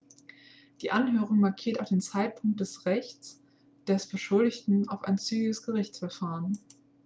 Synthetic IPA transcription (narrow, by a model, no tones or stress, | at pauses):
d̥iːʔanɦøːʁ̞ʊŋmaɐkʰiːɐtaʊfd̥eːnt͡saɪt̚pʰʊŋk̚t̚d̥ɛsʁɛçt͡s | d̥ɛsb̥əʃʊldɪçtn̩aʊfa̰ɪnt͡syːɡɪɡəsɡ̥əʁɪçt͡sfɛɐfaːʁən